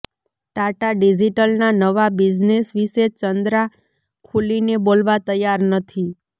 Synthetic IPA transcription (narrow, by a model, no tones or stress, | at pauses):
ʈaʈaɖid͡ʒiʈəlnanəʋabid͡ʒnesʋiʃet͡ʃənd̪ɾa | kʰulinebolʋat̪əjaɾnət̪ʰi